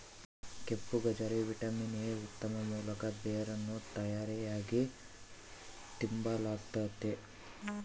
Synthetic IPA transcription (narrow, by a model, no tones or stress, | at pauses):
kepːuɡɐd͡ʒɐɾeʋiʈɐminijeut̪ːɐmɐmuːlɐkɐbejɐɾɐnːut̪ɐjaːɾijaːɡi | t̪imbalaːɡt̪ɐt̪ːe